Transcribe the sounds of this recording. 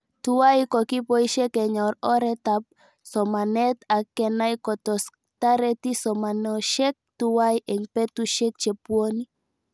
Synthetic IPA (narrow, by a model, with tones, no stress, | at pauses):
tu˦wa˦i˦kɔ˨ki˦pɔ˦i˦ʃɛ˦kɛ˨ɲɔ˨ɾɔ˦ɾɛ˦tap̚ | sɔ˨ma˨nɛ˦t̪a˨kːɛ˨na˦i˦kɔ˨tɔ˨s | ta˦ɾɛti˦sɔ˨ma˨nɔ˨ʃɛ˦k̚tuwa˦jʔɛ˨ŋpɛ˦tuʃɛ˦k̚t͡ʃe˨pwo˦ni˦